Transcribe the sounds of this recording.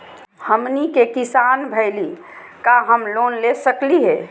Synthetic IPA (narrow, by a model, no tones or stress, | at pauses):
həmnikekɪsanbʱəɪli | kaɦəmloːnlesəkliɦɛː